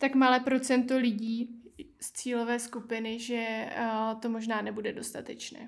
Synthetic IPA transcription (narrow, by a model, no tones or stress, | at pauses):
t̪akmalɛːpɾo̞t͡sɛnt̪o̞lɪɟiː | st͡siːlo̞vɛːskupɪnɪʒɛ | t̪o̞mo̞ʒnaːnɛbudɛdo̞st̪at̪ɛt͡ʃnɛ̰ː